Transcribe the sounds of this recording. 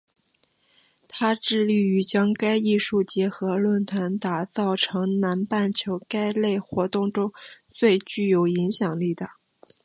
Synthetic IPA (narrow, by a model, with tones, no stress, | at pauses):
t̪ʰa˥ʈ͡ʂɻ̩˥˧li˥˩y˧˥t͡ɕjɑ˥ŋka˥ɪi˥˧ʂu˥˩t͡ɕjɛ˧˥xɤ˧˥lwə˥˩nt̪ʰa˧˥nt̪a˨˩t͡sɑ˥˩ʊʈ͡ʂʰɤ˧˥ŋna˧˥npa˥˩nt͡ɕʰjo˧˥ʊka˥ɪle˥˩ɪxwɔ˧˥t̪ʊ˥˩ŋʈ͡ʂʊ˥ŋt͡swe˥˧ɪt͡ɕy˥˩jo˨˩ʊi˧˥ŋɕjɑ˨˩ŋli˥˩d̪ə˩